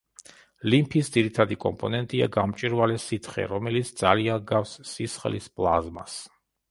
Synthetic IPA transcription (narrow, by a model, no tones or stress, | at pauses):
limpʰisd̪ziɾit̪ʰad̪ikʼɔmpʼɔnɛnt̪ʼia̰ɡamt͡ʃʼiɾvalɛsit̪ʰχɛ̰ɾɔmɛlit̪sʰd̪za̰lianɡafsːisχlispʼlˠa̰zmas